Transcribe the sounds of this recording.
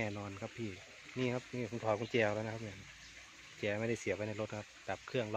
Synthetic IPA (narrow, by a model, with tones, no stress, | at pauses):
ɛː˧˩nɔː˧nkʰa˧˥pʰːiː˧˩ | niː˧˨kʰa˦˥p̚niː˧˩kʰu˧˦ŋt̪ʰɔː˨˦kʰu˧˦t͡ɕɛː˧la˧˩na˧kʰa˧p̚mɛ˧˩˨n | t͡ɕɛː˧˩ma˧˨da˥˩jsi˨˩˦pa˧jna˧˩jlo˧t̪̚kʰa˧˥p̚d̪a˨˩p̚kʰɯ˥˩əŋlɔ˧